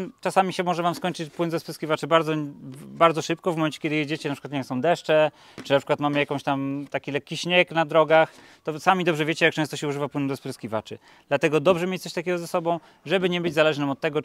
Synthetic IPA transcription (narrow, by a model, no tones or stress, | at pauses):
t͡ʂasamʲiɕɛmɔʐɛvamskɔɲt͡ʂɘt͡ɕpwɘnd̪ɔspɾɛskʲivat͡ʂɘbaɾd̪zɔbaɾd̪zɔʂɘp̚kɔvmɔmɛnt͡ɕɛ̥kʲɛd̪ɘjed͡ʑet͡ɕɛnapʂɘ̥kwat̪ɲɛsɔ̃w̃d̪ɛʂt͡ʂɛ | t͡ʂɨnapʂɘ̥kwat̪mamɘjakɔ̃ɕt̪amt̪akʲilɛkʲːiɕɲɛknad̪ɾɔɡax | t̪ɔsamʲid̪ɔbʐɛvʲjet͡ɕɛjak̚t͡ʂɛ̃st̪ɔɕɛuʐɘvapwɘnd̪ɔspɾɛskʲivat͡ʂɘ | d̪̥lat̪ɛɡɔd̪ɔbʐɛmʲet͡ɕ̪sɔɕt̪akʲɛɡɔzɛsɔbɔ̃w̃ | ʐɛbɘɲɛbɘd͡ʑzalɛʐnɛmɔt̪̚tːɛɡɔ